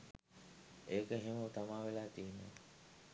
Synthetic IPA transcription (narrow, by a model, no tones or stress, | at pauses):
eːkəɦemut̪amaːʋelaːt̪iːnːə̰